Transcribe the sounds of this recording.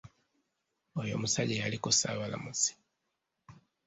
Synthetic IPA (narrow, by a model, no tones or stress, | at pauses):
ojo̰musaɟejalikosaβala̰muzi̥